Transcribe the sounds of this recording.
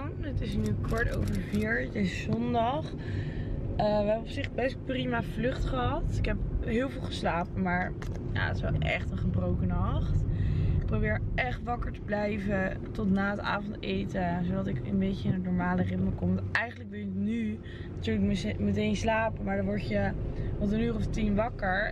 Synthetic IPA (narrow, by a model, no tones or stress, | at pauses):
nətɪsnykʰɔɹto̰wvəɹviːɹdezəzɔndɑχ | əʋəɛbəɔpsɪχbɛsprimavlʏχtχəɦɑtɪkɦɛp̚ɦɪːlˠvɪːlˠχəslaːpəmaːɹ | ja̰ːətɪ̥sʋɛlˠʔɛ̰χtəχəbrowkənɑχtɪk̚prowbɪːɹʔɛχtʋɑkəɹtəblɛjvə | tɔtnaːəta̰ːvɔntejtəsowdɑtɪkə̰nbejcəɪnətnɔɹmaːlərɪtməkɔmʋɑtɛjχəndləkʋɪlˠjəny | natyːɹləkmətejnslaːpəmaɹdɑʋɔɹtjəʋɑtənyːrɔftinʋɑkəɹ